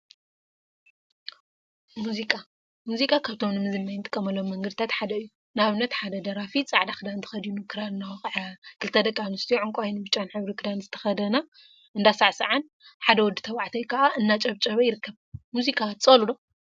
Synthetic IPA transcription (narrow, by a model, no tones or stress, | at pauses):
muzikʼa | muzikʼakʰaβt̪ʰo̞mnɨmɨzɨmːajnt̪ʼɨ̥kʼːɐmɐlːomːɐŋɡɐd̪it̪ʰat̪ħad̪ɐɨjːu | naβɨnːɐt̪ħad̪ɐd̪ɐɾafit͡sʼaʕd̪akʰɨd̪ant̪ʰɨ̥xɐd̪inukʰɨɾalnaxʕkʰɨlt̪ʰɐd̪ɐkʼːanust̪ʰijoʕʊŋkʼajnɨbɨt͡ʃʼanħɨβɾikʰɨd̪anzɨt̪ʰɐ̥xɐd̪ɐna | ʔɨnd̪asaʕsɐʕan | ħad̪ɐwɔd̪ːɨt̪ʰɐβaʕt̪ʰɐjkʰɐʔaʔɨnːat͡ʃʼɐβt͡ʃʼɐβɐjɪɾɨkʰːɐβmuzikʼat͡sʼɐlud̪o